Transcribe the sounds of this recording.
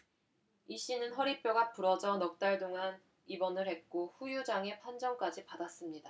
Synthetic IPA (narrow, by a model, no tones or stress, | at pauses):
iɕ͈inɯnɦʌɾip͈joɡapuɾʌd͡ʑʌnʌk̚t͈aɭt͈oŋan | ibʌnɯɭhe̞k̚k͈oɸujud͡ʑaŋe̞pʰand͡ʑʌŋk͈ad͡ʑipadas͈ɯmɲida